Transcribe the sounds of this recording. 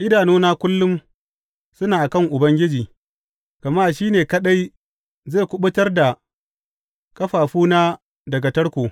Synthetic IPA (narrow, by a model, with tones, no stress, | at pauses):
ʔɪ˦daː˨noː˦naː˦kʷʊ˦lːʊ˦m | sʊ˦naː˨ʔa˨kɐ˦˨ŋʔʊ˨bɐ˦ŋɡʲɪ˦d͡ʒiː˨ | ɡ̥ɐ˨maː˦ʃiː˦neː˨kɐ˦ɗa˦j | ze˦˨kʷʊ˦ɓʊ˦tɐ˦rda˨ | kɐ˦ɸaː˨ɸuː˦naː˦ | dɐ˨ɡa˨tɐ˦ɽkʷoː˨